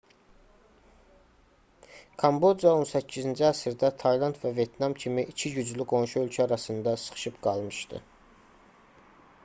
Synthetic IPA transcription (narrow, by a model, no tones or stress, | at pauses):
kʰɑmbo̞d͡ʒɑo̞nsæcʰːizind͡ʒiæsiɾd̪æt̪ʰɑjlˠɑnt̪vævje̞t̪nɑmcʰimiʔicʰiɟyd͡ʒlyɡo̞nʃuø̞lcʰæɑɾɑsɯnd̪ɑsɯ̥χɯ̥ʃɯpɡɑlˠmɯʃd̪ɯ̰